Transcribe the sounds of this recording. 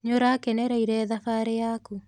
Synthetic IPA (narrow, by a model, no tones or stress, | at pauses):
ɲoɾakɛnɛɾaiɾɛðafaɾejaːku